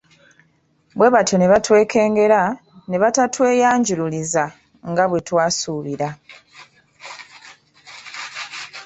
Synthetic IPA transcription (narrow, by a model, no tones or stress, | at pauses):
bwe̞βatʰo̞ne̞βatwe̞ːke̞ːŋɡe̞ɾa | ne̞βatatwe̞ːjaːɲɟululiza | ŋɡaβwe̞twaːsuːβiɾa